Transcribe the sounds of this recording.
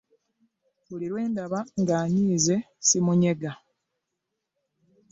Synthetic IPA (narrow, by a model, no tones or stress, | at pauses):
βuliɾwe̞ːndaβaŋɡaːɲiːze̞ | simuɲe̞ɡa